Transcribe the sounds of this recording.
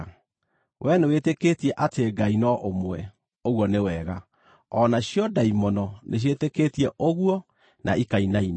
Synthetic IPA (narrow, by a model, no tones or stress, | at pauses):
wʔɛneweteketiɛʔateɡainɔʔomwɛ | oɣwɔnewɛɣa | ɔnaɕjɔdaimɔnɔnʔeɕ̬jeteketiɛʔoɣuwɔ | na̰ʔikainain